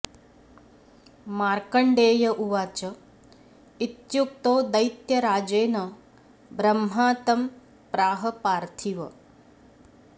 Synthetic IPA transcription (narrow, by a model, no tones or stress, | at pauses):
maːɾkɐɳɖeːjɐʔuʋaːt͡ʃɐ | it̪juk̚t̪oːd̪ɐjt̪jɐɾaːd͡ʒeːnɐ | bɾɐmɦaːt̪ɐm | pɾaːɦɐpaːɾt̪ʰiʋɐ̰